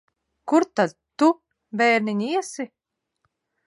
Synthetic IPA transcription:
kuɾt̪ad̪ | t̪u | vɛːɾniɲʲiɛsi

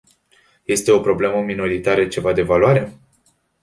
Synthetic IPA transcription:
je̞st̪e̞opɾo̞ble̞məmino̞ɾit̪aɾət͡ʃe̞vad̪e̞valwaɾe̞

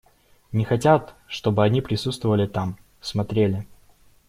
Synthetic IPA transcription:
nʲɪxɐtʲat̪ʂt̪o̞bɨɐnʲipɾʲɪsut̪st̪vəvəlʲɪt̪am | smɐt̪ɾʲelʲɪ

